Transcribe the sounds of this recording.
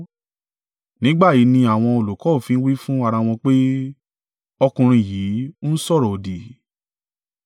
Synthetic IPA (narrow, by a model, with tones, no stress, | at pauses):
nĩ˨˦ɡ͡ba˦˨ji˨˦nĩ˧a˨w̃ɔ̃˧o˨lo˨kɔ˨˦˨fĩ˧n̩˦wi˦fũ˦a˧ɾa˧w̃ɔ̃˧k͡pe˦ | ɔ˧kũ˧ɾ̃ĩ˧˨jiː˨˦sɔ˦˨ɾɔ˨o˨di˨